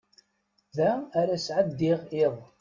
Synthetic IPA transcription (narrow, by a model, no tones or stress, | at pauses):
ðæːɾæsʕəd̪ːiʁɪðˤ